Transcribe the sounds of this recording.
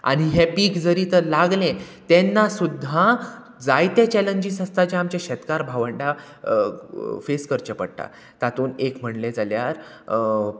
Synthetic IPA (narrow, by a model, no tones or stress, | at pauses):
a̰ɽ̃iɦepikd͡zəɾit̪əlaɡlẽt̪enːasud̪ʱːa | d͡zajt̪et͡ɕɛləɲd͡ʑisəst̪ad͡ʑẽamt͡ɕaɕɛt̪kaɾbʱaʋəɳɖa | feskəɾt͡ɕəpə̰ɽʈ̪a̰ | t̪at̪uːnekm̤əɳled͡zaljaɾ